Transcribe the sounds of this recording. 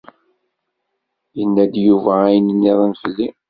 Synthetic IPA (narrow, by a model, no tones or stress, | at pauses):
jənːæd̪juvæːjənənːiðˤənfəlːi